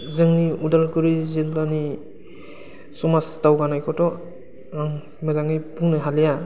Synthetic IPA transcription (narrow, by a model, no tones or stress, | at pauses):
zɯŋniudalɡuɾizilːani | sɔmastawɡanajkʰɔtɔ | aŋ | mɯzaŋipuŋnɯɦalija